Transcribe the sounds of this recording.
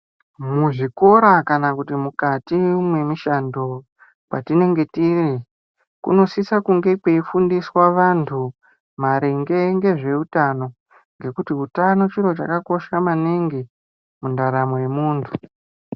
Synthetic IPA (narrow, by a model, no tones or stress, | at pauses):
muʐiko̞ɾakanakutimukatimwe̞miʃando̞ | kwa̰tine̞ŋɡe̞tiri | kṵno̞sisakuŋɡe̞pwe̞ifundiswaʋantʰu | maɾeŋɡe̞ŋɡe̞ʐe̞utano̞ | ŋɡe̞kutiutano̞t͡ʃiɾo̞t͡ʃa̰kako̞ʃamaniŋɡi | mundaɾamo̞je̞muːntʰu